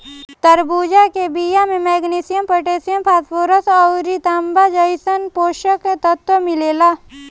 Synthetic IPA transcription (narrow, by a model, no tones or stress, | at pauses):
t̪ɐɾbuːd͡ʒakebiːjamẽmɛːɡniːsijəmpoʈeːsijəmpʰaːspoːɾəsɔʊɾit̪aːmbad͡ʒəɪsənpoːʃəkːet̪ɐt̪wəmɪleːlaː